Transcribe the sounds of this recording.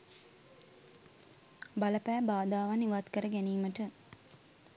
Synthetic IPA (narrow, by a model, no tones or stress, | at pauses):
baləpæːbaːd̪aːʋaniʋat̪kəɾəɡæniːməʈə